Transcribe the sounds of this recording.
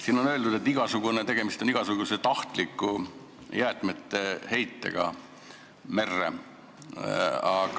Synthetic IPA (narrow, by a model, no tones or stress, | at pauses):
siːno̞nø̞ld̪ud̪̥e̞t̪ːˑiɡ̥ɑsuɡ̥unet̪e̞ɡ̥e̞mist̪oniɡ̥ɑsuɡ̥uset̪ɑht̪likˑːu | jæːt̪ˑmet̪ːe̞he̞jt̪ːḛɡ̥ɑ̰ | me̞rːḛ | ɑ